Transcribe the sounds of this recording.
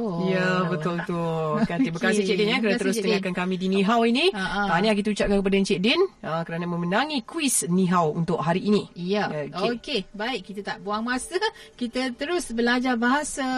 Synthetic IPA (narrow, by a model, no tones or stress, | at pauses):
ojabət̪ʊlbət̪ʊkaibəkasɪht͡ʃɛʔdɛnkankəɾanat̪əɾʊst̪əŋakankamĩdinĩɦawiniaaniak̬it̪əut͡ʃap̚kankəp̬adaɲt͡ʃɛʔdɛnəkəɾanamə̃mənãŋikwisniɦawṵnt̪ʊʔɦaɾiːnĩjaokebaɪʔkit̪ət̪aʔbuaŋmasakit̪ət̪əɾʊsbəlad͡ʒarbaɦasa